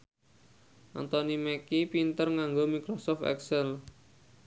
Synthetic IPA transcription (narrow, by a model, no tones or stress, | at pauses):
ʔa̰nt̪ɔnimɛkipint̪ərŋaŋɡomikɾɔsɔft̪ɛ̰ksɛl